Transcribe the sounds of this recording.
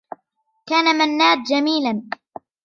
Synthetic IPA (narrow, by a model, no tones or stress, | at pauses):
kaːnamanːaːd̪̚d͡ʒamiːlan